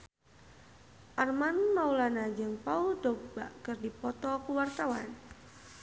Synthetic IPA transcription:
ʔarmanmaulanad͡ʒəŋpaudɔk̚b̥aʔkərdipɔt̪ɔkuwart̪awa̰n

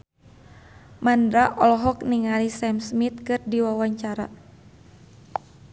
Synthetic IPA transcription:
mandɾaʔɔlɔɦɔkniŋalisɛmsmit̪̚kɨrdiwawaɲt͡ʃaɾa̰

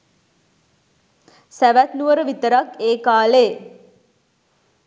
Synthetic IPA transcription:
sæʋæt̪nuʋəɾəʋit̪əɾakeːkaːleː

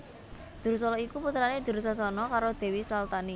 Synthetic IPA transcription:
d̪̥ṳɾus̬ɔlɔikuput̪ɾaned̪̥ṳɾus̬asɔnɔkaɾod̪̥e̤wisalt̪ani

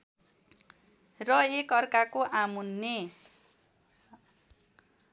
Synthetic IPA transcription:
rʌekʌrkakoʔamunːe

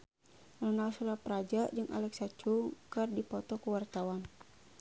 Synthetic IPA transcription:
lɔnalsuɾapɾad͡ʒad͡ʒɨŋʔa̰lɛksat͡ʃukɨrdipɔt̪ɔkuwart̪awan

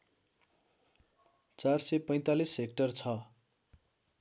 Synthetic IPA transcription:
t͡sarsepʌj̃t̪alisek̚ʈʌrt͡sʰʌ

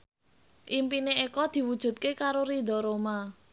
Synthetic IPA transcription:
ʔimpineekɔd̪̥i̤wud̥ʒ̥ṳt̪̚kekaɾoɾid̪ɔ̤ɾoma

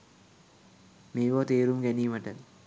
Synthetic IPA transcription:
meːʋat̪eːɾumɡæniːməʈə

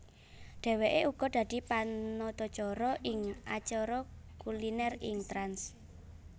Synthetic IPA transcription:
ɖ̥ɛ̤weʔeʔuɡ̥ɔ̤d̪̥ä̤d̪̥i̤panɔt̪ɔ̥t͡ʃɔɾɔʔɪŋat͡ʃɔɾɔkulinɛrɪ̰ŋt̪ɾans

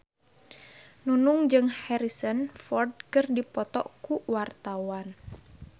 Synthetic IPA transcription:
nunʊŋd͡ʒɨŋhɛɾisənfɔrd̚kɨrdipɔt̪ɔ̰ʔkuwart̪awan

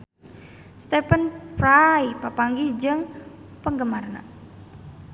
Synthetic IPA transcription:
st̪epənpɾajpapaŋɡid͡ʒɨŋ | pəŋɡəmarna̰

